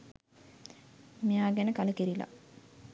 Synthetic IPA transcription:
mijaːɡænəkaləkeɾila̰

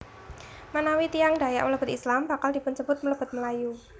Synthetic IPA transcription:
manawit̪ijaŋda̤ja̰ʔmələb̥ʊ̤t̪̚islamba̤kald̥i̤pʊnt͡ʃəbʊt̪̚mələb̥ʊ̤t̪̚məlaju

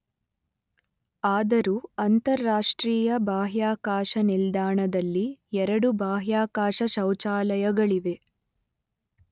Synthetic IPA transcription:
aːd̪ɐɾuːɐnt̪ɐɾːaːʂʈɾiːjɐbaːɦjaːkaːʂɐnild̪aːɳɐd̪ɐlːiɛɾɐɽubʱaːɦjaːkaːʂɐʃɐwt͡ʃaːlɐjɐɡɐɭiʋe̞

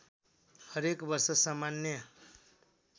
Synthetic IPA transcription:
həɾekbʌɾsʌsamanjʌ

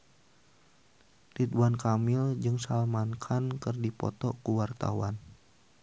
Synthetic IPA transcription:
tiduankamɪld͡ʒɨŋsalmankʰankɨrdipɔ̰t̪ɔkuwart̪a̰wan

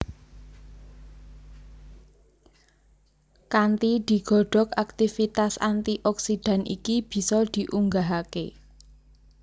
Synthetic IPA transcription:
kant̪id̪̥i̤ɡ̥ɔ̤ɖ̥ɔ̤kak̚t̪ifit̪asa̰nt̪iʔɔksid̪̥ä̤nʔḭkib̥i̤sɔd̪̥i̤ʔuŋɡaɦake

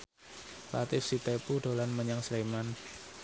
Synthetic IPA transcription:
la̰t̪ɪfsit̪epuɖolanməɲaŋsleman

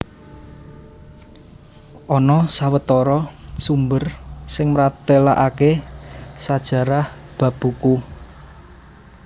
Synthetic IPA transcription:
ʔɔnɔsawət̪ɔɾɔsumbərsɪŋmɾat̪ela̰ʔake | sad̥ʒ̥ä̤ɾahb̥ä̤b̥ṳku

